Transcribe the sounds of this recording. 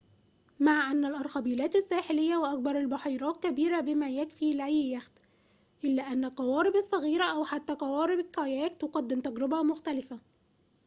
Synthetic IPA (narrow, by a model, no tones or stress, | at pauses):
maʕʔænːælʔɑɾˤxɑbiːlæːt̪ɪsːæːħɪlɪjːæwaʔæk̚bɑɾˤalbɑħiːɾˤɑːt̪̚kæbiːɾæbɪmæjækfiːlʕiːjæxd̪ | ʔɪlːæːʔænːælqɑwɑːɾɪbɑsˤːɑɣiːɾæʔæwħat̪ːæqɑwɑːɾɪbɪkɑjæːk̚t̪ʊqɑd̪ːɪmt̪æɡɾɪbæmʊxt̪ælɪfæ